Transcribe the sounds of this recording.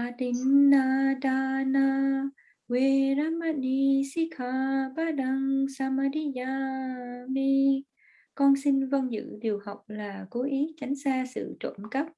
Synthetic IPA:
ʔa˨˧t̪i˧nːa˧ɗa˧na˧ | we˧ɾaː˧ma˧ni˧si˧˥kʰa˧˩baː˦˧˥ɗa˧ŋsaː˧ma˧ɾi˧ja˧ | mi˧ | kɔ˧nsi˧nvə˧nzɨ̰˧˥ɗi˨˩əwha˨˩wk͡p̚laː˨˩ko˨˦ʔi˨˦t͡ɕa˨˦jŋ̟saː˧sɨ̰˧˨t͡ɕə̰˧˩mkə˦˥p̚

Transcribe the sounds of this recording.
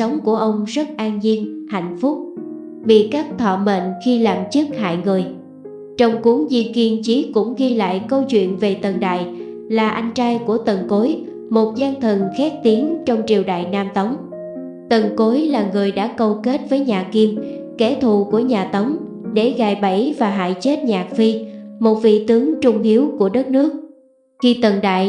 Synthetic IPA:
ə˨˦wŋ͡mku˧˩əʔə˧wŋ͡mzə˦˥t̚ʔaː˧nzi˧ənha̰˧˨jŋ̟fʊ˦˥k͡p̚ | ɓḭ˧˨kaː˦˥k̚t̪ʰwɔ̰˧˨mḛ˧˨nxi˧laː˨˩mt͡ɕɨ˦˥k̚ha̰ː˧˨jŋɨ˨˩əj | t͡ɕɔ˧wŋ͡mku˨˦ŋzi˧əki˧ənt͡ɕi˨˦kʊ̰˧˥ŋ͡mɣi˧la̰ː˧˨jkə˧wt͡ɕwḭ˧˨ənve˨˩t̪ə˨˩nɗa̰ː˧˨j | laː˨˩ʔa˧jŋ̟t͡ɕaː˧jku˧˩ət̪ə˨˩nko˨˦j | mo˨˩t̚zaː˧nt̪ʰə˨˩nxaː˦˥k̚t̪i˨˦ənt͡ɕɔ˧wŋ͡mt͡ɕi˨˩əwɗa̰ː˧˨jnaː˧mt̪ə˨˦wŋ͡m | t̪ə˨˩nko˨˦jlaː˨˩ŋɨ˨˩əjɗa̰ː˧˥kə˧wke˦˥t̚vəː˨˦jɲaː˨˩ki˧mkɛ˧˩t̪ʰu˨˩ku˧˩əɲaː˨˩t̪ə˨˦wŋ͡m | ɗe˧˩ɣaː˧˨˩jɓə˧˩jvaː˨˩ɦa̰ː˧˨jt͡ɕe˦˥t̚ɲaː˨˩k̚fi˧mo˨˩t̚vḭ˧˨t̪ɨ˨˦əŋt͡ɕʊ˧ŋ͡mʔi˨˦əwku˧˩əɗə˦˥t̚nɨ˦˥ək̚ | xi˧t̪ə˨˩nɗa̰ː˧˨j

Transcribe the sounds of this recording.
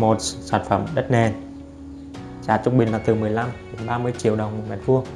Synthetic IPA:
mo˨˩t̚saː˧˩nfə˧˩mɗə˦˥t̚ne˨˩ | t͡ɕaː˧˩t͡ɕʊ˧ŋ͡mɓï˨˩laː˨˩t̪ɨ˨˩mɨ˨˩əjla˧mɗe˨˦nɓaː˧mɨ˧əjt͡ɕḭ˧˨əwɗə˨˩wŋ͡mmo˨˩mɛ̰˨˩t̚vu˧ə

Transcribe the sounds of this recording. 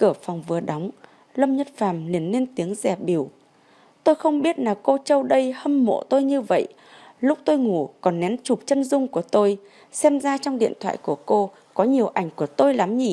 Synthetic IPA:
kɨ˧˩əfɔ˨˩wŋ͡mvɨ˨˩əɗa˨˦wŋ͡m | lə˧mɲə˦˥t̚faː˧˩mli˨˩ənːe˧nt̪i˨˦əŋzɛ˧˩ɓi˧˩əw | t̪o˧jxə˧wŋ͡mɓi˦˥ət̚naː˨˩ko˧t͡ɕə˧wɗə˧jhə˧mmo̰˧˨t̪o˧jɲɨ˧və̰˧˨jʔ | lʊ˦˥k͡p̚t̪o˧jŋu˧˩kɔ˨˩nːɛ˨˦nt͡ɕu˨˩p̚t͡ɕə˧nzʊ˧ŋ͡mku˧˩ət̪o˧j | sɛ˧mzaː˧t͡ɕɔ˧wŋ͡mɗḭ˧˨ənt̪ʰwa̰ː˧˨jku˧˩əko˧ | kɔ˨˦ɲi˨˩əwʔa˧˩jŋ̟ku˧˩ət̪o˧jla˨˦mɲi˧˩

